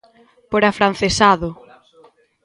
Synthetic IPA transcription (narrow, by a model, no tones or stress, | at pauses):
poɾafɾan̟θesaðʊ